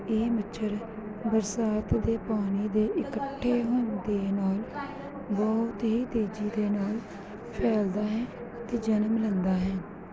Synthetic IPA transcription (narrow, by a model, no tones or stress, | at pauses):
eːmɪt͡ʃʰəɾ | bəɾsaːt̪d̪eːpaːñiːd̪eːʔɪkəʈʰːeːɦoːnd̪eːnaːl | bɔʊt̪ɦiːt̪eːd͡ʒiːd̪eːnaːl | pʰɛːld̪aːɦɛ̃ː | ət̪eːd͡ʒənəmlənd̪aːɦɛ̃ː